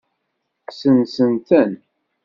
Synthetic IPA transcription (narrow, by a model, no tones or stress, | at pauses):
sənsənt̪ən